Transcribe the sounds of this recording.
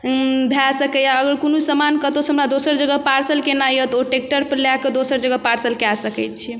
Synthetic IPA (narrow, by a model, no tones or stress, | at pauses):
bʱɛsəkɛjaəɡəɾkonusəmankət̪osʰɦəmɾad̪osəɾd͡ʒəɡəpaɾsəlkenajət̪oʈek̚ʈəɾpəɾlakəd̪osəɾd͡ʒəɡəpaɾsəlkasəkɛjt̪̚t͡ʃʰi